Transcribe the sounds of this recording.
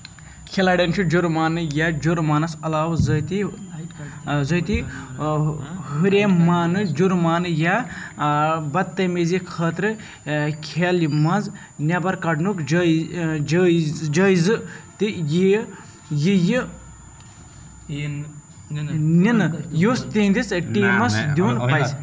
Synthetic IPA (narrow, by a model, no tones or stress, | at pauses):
kʰelaːɽʲent͡ʃʰid͡ʒuɾmaːnɨjad͡ʒuɾmaːnɐsɐlaːwzɐt̪i | zət̪i | ɦuɾeːmaːnɨd͡ʒuɾmaːnɨja | bɐt̪ːɐmezikʰɐːt̪ɾɨ | kʰeːlimɐnz | nʲɐbɐɾkɐɖnukd͡ʒ | d͡ʒɐːizɨt̪iji | jiji | ninɨjuːst̪iːnd̪isʈiːmɐsd̪uːnpɐjz